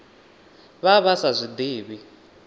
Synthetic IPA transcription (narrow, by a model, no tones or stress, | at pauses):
βaβasazʷid̪iːβi